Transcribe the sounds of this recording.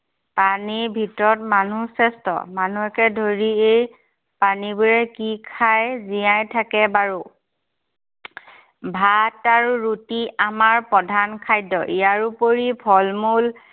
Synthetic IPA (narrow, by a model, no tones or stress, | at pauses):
panibʱitɔɹɔtmanusɛstɔ̰manuɛkɛdʱoɹiej | panibuɹɛkikʰajzijãjtʰakɛbaɹu | bʱataɹuɹutiamaɹpɔdʱankʰajdɔ̰ʔijaɹupoɹipʰɔlmul